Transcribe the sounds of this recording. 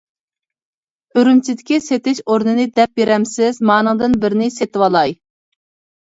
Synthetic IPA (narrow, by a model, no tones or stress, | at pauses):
øɾymt͡ʃʰid̪ɪkʲiset̪ɪʃoɾnɨnɨd̪ɛp̚beɾɛmsɪzmɑːnɨŋd̪ɨnbɪɾɪnɪset̪ɪwɑlˠɑj